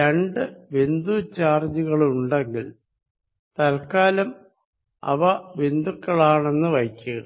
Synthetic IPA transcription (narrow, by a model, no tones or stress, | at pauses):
ɾeɳɖɨʋe̞nd̪ut͡ɕaːrd͡ʑuɣɐɭuɳɖeŋɡil | t̪ɐlkaːlɐm | ɐ̰ʋɐʋe̞nd̪ukːɐɭaːɳe̞nːɨʋɐjkʲːuɣɐ